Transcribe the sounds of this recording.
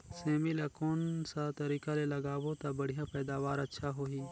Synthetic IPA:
seːmilɐkoːnsat̪ɐɾiːkalelɐɡaːbot̪abɐɽ̤ijãpɛːd̪aːʋaːɾɐtːʃʰaɦoːɦiː

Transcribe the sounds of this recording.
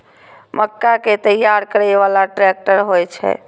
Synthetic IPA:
məkːaket̪əjːaɾkəɾɛʋalaʈɾɛk̚ʈəɾɦojt͡ʃʰɛ̰

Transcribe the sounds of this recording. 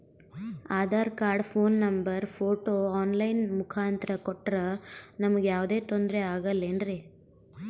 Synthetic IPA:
aːd̪aːɾkaːɾɖpʰoːnːɐmbɐɾpʰoːʈoːaːnlɐjnmukʰaːnt̪ɾɐkoʈːɾɐnɐmɐɡejaːʋd̪e̞ːt̪ond̪ɾeaːɡɐlːeːnɾe

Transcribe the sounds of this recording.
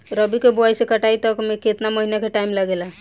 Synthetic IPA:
ɾəbikeboajsekəʈait̪ɔkmeket̪naməɦinakeʈaimlaɡela

